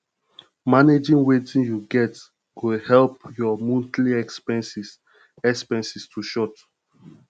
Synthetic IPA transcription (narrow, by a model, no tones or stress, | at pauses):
maned͡ʒĩnwetʰĩnjuɡɛt | wuhɛlp̚jɔmũntliɛkspɛ̃nsis | ɛkspɛ̃nsistʰuʃɔt